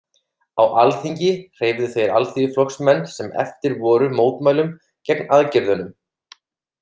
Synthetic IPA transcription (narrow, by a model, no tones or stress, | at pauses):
awʔalθiɲcɪr̥eːjvðʏθejɾalθiflɔksmɛnːsɛmɛ̰ft̪ɪɾvɔːɾʏmoːwt̪maːjlʏm | cɛknaðcɪɾðʏnʏm